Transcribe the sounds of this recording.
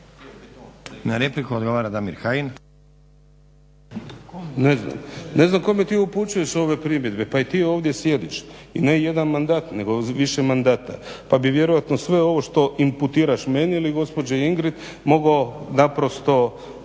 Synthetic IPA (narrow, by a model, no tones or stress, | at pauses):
naɾeplikuod̪ɡo̞ʋaːɾad̪amiɾxajin | nezna̰mne̞znamko̞met̪iːuput͡ʃujeʃo̞ʋe̞pɾimje̞d̪be̞pait̪iːo̞ːʋd̪je̞sje̞d̪iʃine̞je̞d̪anmand̪aːt̪ne̞ɡo̞ʋiʃe̞mand̪aːt̪apabiʋje̞ɾojat̪nosʋe̞o̞ʋo̞ʃt̪o̞ʔimput̪iːɾaʃmeɲeiliɡo̞spo̞d͡ʑeiŋɡɾit̪ | mo̞ɡonapɾo̞st̪o̞